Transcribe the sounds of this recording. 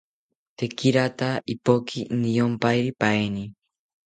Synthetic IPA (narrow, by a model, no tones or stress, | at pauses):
t̪ekiɾat̪aipokʰinijompajɾipaeni